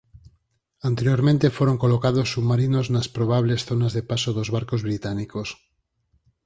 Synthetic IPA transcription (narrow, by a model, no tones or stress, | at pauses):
ant̪eɾjoɾmẽnt̪e̞fweɾoŋkolokað̞osːuβmaɾinoznaspɾoβ̞aβ̞le̞sθo̞nazðepasoðozβaɾkozβɾit̪anikos